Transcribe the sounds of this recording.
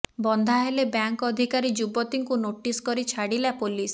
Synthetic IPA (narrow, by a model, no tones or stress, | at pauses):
bɔnd̪ʱaɦelebjaŋkɔd̪ʱikaɾid͡ʒubɔt̪iŋkunoʈiskɔɾit͡ʃʰaɽilapolis